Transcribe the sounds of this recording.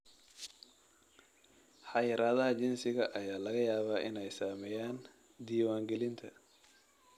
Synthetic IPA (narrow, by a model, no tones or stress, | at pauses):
ħɑjɪɾaːðɐɦɐt͡ʃɪnsɪɣɐʔɐjaːlɐɣɐjaːβaːʔɪnɛjsaːmɛjaːn | d̪iːwaːŋɡɛlɪnt̪ʰɐ